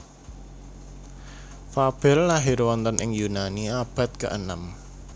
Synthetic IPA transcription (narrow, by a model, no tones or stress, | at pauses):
fab̥ɛ̤lːaɦiɾwɔnt̪ɔnʔɪŋjunaniab̥ä̤t̪̚kə̰ʔənam